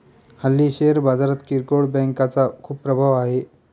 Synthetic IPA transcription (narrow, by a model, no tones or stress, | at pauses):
həlːiːɕeɾbad͡zaɾat̪kiɾkoɽbɛ̃ŋkat͡sakʰuːppːɾəbʱaʋaɦe